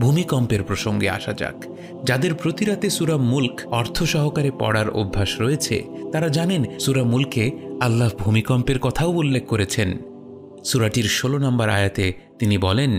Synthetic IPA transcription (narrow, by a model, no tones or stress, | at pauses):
bʱumikɔmpeɾpɾoʃoŋɡea̰ʃad͡ʑa̰k | d͡ʑad̪eɾpɾot̪iɾat̪esuɾamulkɔɾt̪ʰoʃɔɦokaɾepɔ̰ɽaɾo̰bʱːaʃɾɔet͡ɕʰḛt̪aɾad͡ʑanensuɾamulkealːaɦbʱumikɔmpeɾkɔt̪ʰaoulːek̚ʰkoɾet͡ɕʰen | suɾaʈiɾʃolonambaɾa̰jat̪e | t̪inibɔlen